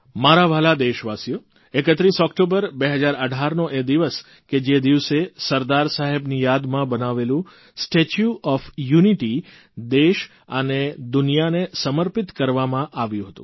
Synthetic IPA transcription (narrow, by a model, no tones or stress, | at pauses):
maɾaʋʱalad̪eʃʋasjo | ekət̪ɾisɔkʈobəɾbeɦəd͡ʒaɾəɖʱaɾnoʔed̪iʋəs | ked͡ʒed̪iʋsesəɾd̪aɾsaɦebnijad̪mãbənaʋelũ | sʈet͡ʃjuʔɔfjuniʈi | d̪eʃ | əned̪ʊnijanesəməɾpɪt̪kəɾʋamãʔaʋjũɦət̪ṵ̃